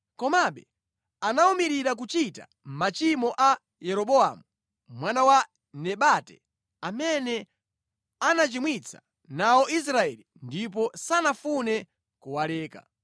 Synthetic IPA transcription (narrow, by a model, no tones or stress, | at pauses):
kɔmaɓɛ | anaumiɾiɾak̬ut͡ʃita | m̩mat͡ʃimɔʔa | jɛɾɔɓɔamu | mwanawa | nɛɓatɛ | amɛnɛ | anat͡ʃimwit͡sʰḁ | naɔis̬ɾaɛlindip̬ɔsanafunɛ | kuwalɛːka̰